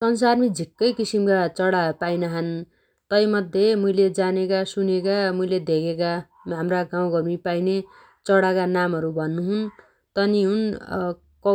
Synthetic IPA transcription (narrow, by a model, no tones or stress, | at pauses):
sʌns̬armid͡zʱikːʌjkisimkat͡sʌɽapajnaɦʌn | t̪ʌjmʌd̪ʱjemujled͡zanekasunekamuiled̪ʱekʰeka | ɦamraɡãw̃ɡʌrmipajne | t͡sʌɽakanamɦʌɾubʱʌnːuɦun | t̪ʌniɦun | kʌ